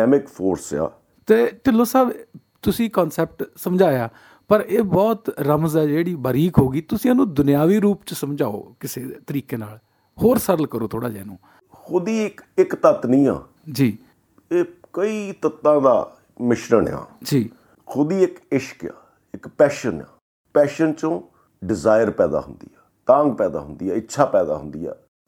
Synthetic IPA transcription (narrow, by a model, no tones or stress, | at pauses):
ɛːmɪkpʰoːɾsja̰ː | t̪eːʈɪlõːsaːb | t̪ʊsĩːkɔːnsɛːp̚ʈsəmd͡ʒaːjaː | pəɾeːbɔːt̪ɾəmzɛːd͡ʒeːɽiːbəɾiːkɦoːɡiːt̪ʊsĩːanũːd̪ʊnɪjaːʋiːɾuːpt͡ʃəsəmd͡ʒaːo̰ːkɪseːt̪əɾiːkẽːnaːl | hoːɾsəɾəlkəɾoːt̪ʰoːɽaːd͡ʒɛ̰ːnṵ̃ː | xʰʊd̪iːɪkɪkt̪ət̪nĩːã̰ː | d͡ʒiː | eːkəiːt̪ət̪ːãːd̪a̰ː | mɪʃɾəɳã̰ːd͡ʒiː | xʰʊd̪iːɪkɪʃə̥kja̰ː | ɪkpɛːʃənã̰ː | pɛːʃənt͡ʃõː | ɖɪzaːjəɾpɛːd̪a̰ːɦʊ̰nd̪ḭːɛːt̪ãːŋɡ̚pɛːd̪a̰ːɦʊnd̪iːɛːɪtːʃʰaːpɛːd̪a̰ːɦʊ̰nd̪ḭːɛ̰ː